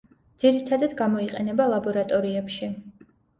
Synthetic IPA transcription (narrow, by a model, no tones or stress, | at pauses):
d̪z̥iɾit̪ʰad̪ad̪ɡamɔiqʼɛnɛbalˠabɔɾat̪ʼɔɾiɛpʃi